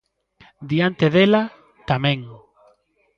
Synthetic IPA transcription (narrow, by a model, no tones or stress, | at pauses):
d̪iant̪eðela | t̪amɛ̃ŋ